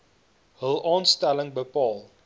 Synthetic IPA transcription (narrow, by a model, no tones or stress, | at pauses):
ɦəlˠɑːnstæləŋbəpɑːlˠ